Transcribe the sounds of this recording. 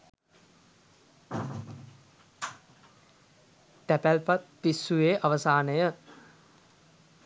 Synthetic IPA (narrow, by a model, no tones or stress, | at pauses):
t̪æpælpat̪̚ːisːujeːʔaʋəsaːnəjə